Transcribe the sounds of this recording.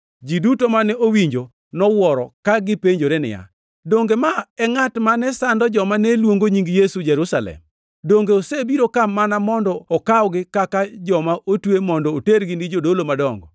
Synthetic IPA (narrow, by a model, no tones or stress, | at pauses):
d͡ʒidutomanɛʔowiɲd͡ʒo | nɔwɔɾɔ̰kaɡɪpeɲd͡ʒoɾenɪ̰ja̰ | doŋɡemaɛŋatmanɛsandɔd͡ʒɔmanɛlwoŋɡoɲiŋɡjesud͡ʒɛɾusalɛ̰m | doŋɡeosebiɾokamanamɔndɔɔkaɔɡɪkakad͡ʒɔmaʔotwemɔndɔoteɾɡɪnid͡ʒodolomadɔŋɡɔ̰